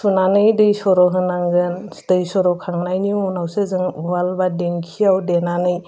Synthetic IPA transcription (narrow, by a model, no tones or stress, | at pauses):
sunanɯjdɯjsɔɾɔɦɯnaŋɡɯntɯjsɔɾɔkʰaŋnajniunawsɯzɯŋuwalbadeŋkʰijawdenanɯj